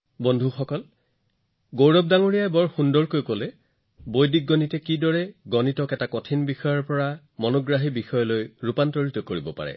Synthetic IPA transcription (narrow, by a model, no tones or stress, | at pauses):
bɔndʱuxɔkɔl | ɡowɹɔp̚daŋoɹijajbɔɹxundɔɹkojkolɛ | bojdik̚ɡɔnitɛkidɔɹɛɡɔnitɔkɛtakɔtʰinbixɔjɔɹpɔɹa | mɔnɔɡɹaɦibixɔjɔlojɹupantɔɹitɔkoɹibɔpa̰ɹɛ̰